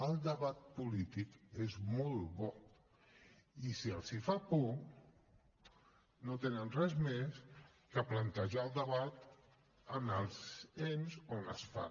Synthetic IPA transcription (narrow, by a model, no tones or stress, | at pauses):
əlˠd̪əβat̪̚pulit̪ikezmɔlˠbɔ | isiəlˠsifapu | not̪enənrɛzmes | kəplənt̪əʒaəlˠd̪əβat̪ | ənəlˠzenzonə̰sfa̰